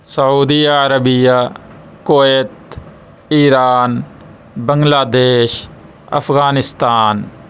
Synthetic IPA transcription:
sɐuːd̪iːaɾəbija | koeːt̪ | iːɾaːn | bə̃ŋɡlaːd̪eːʃ | ɐ̰fʰɣaːnɪst̪aːn

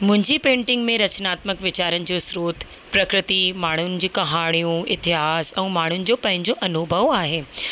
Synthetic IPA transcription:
mʊ̃ɦɪ̃ɲd͡ʑipẽːɳʈɪ̃ŋɡmẽɾɐt͡ɕnaːt̪məkʋɪt͡ɕaːɾənɪ̆d͡ʑoːsɾoːt̪ʰ | pɾɐkɾɪt̪imaːɳ̤ʊnɪ̆d͡ʑiːkɐɦaːɽ̃ijũɪt̪ɪɦaːsɛ̃ːmaːɳ̤ʊnɪ̆d͡ʑopɐ̃ɦɪ̃ɲd͡ʑoʔɐnʊbʱɐʋaːɦeː

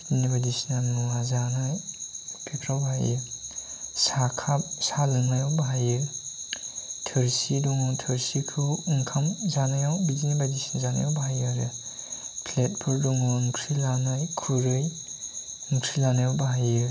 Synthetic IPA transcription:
dinibadisinamuazanajpʰepʰɾawbaɦajḭ | sakʰap̚salɯŋajawbaɦajɯ | tʰɯɾsidɔŋɔtʰɯɾsikʰɯɯŋkʰamzanajawbidinibadisinzana̰jawbaɦajɯɾɯ | pʰlet̚pʰuɾdɔŋɔɯŋkʰɾilanajkʰuɾɯj | ɯŋkʰɾilanajabaɦajɯ

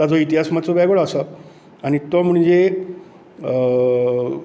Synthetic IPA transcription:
t̪ad͡zɔit̪iɦasmat͡sobjɛɡɭasə | aɽ̃it̪om̤uɳd͡ze

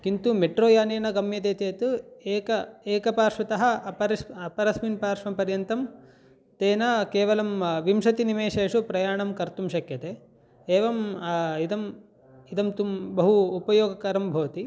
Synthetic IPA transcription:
kint̪umeʈɾoːjaːneːnɐɡɐmjɐt̪eːt̪eːt̪ueːkɐeːkɐpaːɾʂʋɐt̪ɐɦɐ̆ɐpɐɾɐɐpɐɾɐsminpaːɾʂʋɐmpɐɾjɐnt̪ɐm | t̪eːnɐkeːʋɐlɐmʋimʃɐt̪inimeːʂeːʂupɾɐjaːɳɐmkɐɾt̪umʃɐkjɐt̪e | eːʋɐmid̪ɐm | id̪ɐmt̪umbɐɦuːpɐjoːɡɐkɐɾɐmbʱɐːɐt̪i

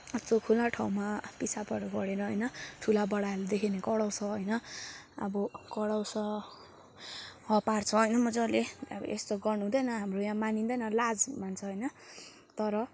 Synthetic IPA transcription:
ʌt͡sokʰulaʈʰaw̃mapisapʌɾuɡʌɽeɾʌɦʌjnʌʈʰulabʌɽaled̪ekʰinekʌɽawsʰʌɦʌjnʌʌ̰bʌkʌɽawsʌ | hʌpart͡sʰʌɦʌjnʌmʌd͡zʌlḛb̰ʔest̪oɡʌrnuɦũd̪ʌjnʌɦamrojãmanind̪ʌjnʌlad͡zmant͡sʰʌɦʌjnʌ | t̪ʌɾʌ

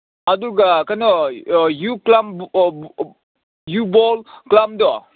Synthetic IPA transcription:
aduɡakajnɔjuklam | jubɔlklamdɔ

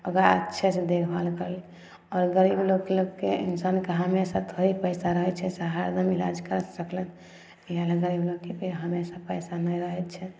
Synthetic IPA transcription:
əɡɾaətːʃʰɛt͡ʃʰd̪ekʰbalkəl | ɔɾɡəɾibloɡkeloɡkeḭnsankeɦəmesət̪ʰoɦipəjsaɾəɦɛt͡ʃʰɛsaɦaɾd̪əmila̰d͡ʒkəɾəsəklen | iɦaleɡəɾibloɡkepeɦəmesapəjsanəjɾəɦɛt̪t͡ʃʰɛ

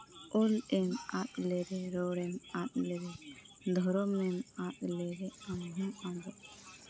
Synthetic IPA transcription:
ɔlɛnat̪̚lɛɾɛɾɔɽɛnat̪̚lɛɾɛ | d̪ʱɔɾɔmɛnat̪̚lɛɾɛamɦuabɔʔ

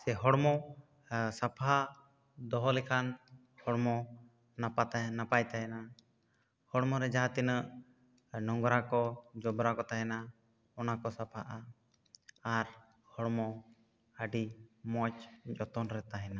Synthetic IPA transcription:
sɛɦɔɽmɔ | sapʰa | d̪ɔɦɔlɛkʰan | hɔɽmɔ | napat̪napajt̪aɦɛna | hɔɽmɔɾɛd͡ʒaɦat̪inəʔ | nɔŋɡɾakɔd͡ʒɔbɾakɔt̪aɦɛna | ɔnakɔsapʰaʔaː | ɾ | hɔɽmɔ | əɖimɔt͡ʃd͡ʒɔt̪ɔnɾɛt̪aɦɛna

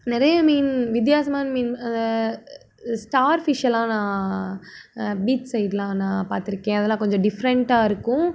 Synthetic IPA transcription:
nɪɾɐjɐmiːnʋɪt̪̬jaːsɐmaːnmiːnɐnd̪ɐ | sʈaːɾfɪʂɐlãːnãː | biːtsɐɪɪʈlãːnãːpaːɾt̪ɪɾɯkːẽːɐðɛlːãːkɔɲd͡ʒɔ̃ɖɪfɾɛɳʈaːɪɾɯkːʊ̃

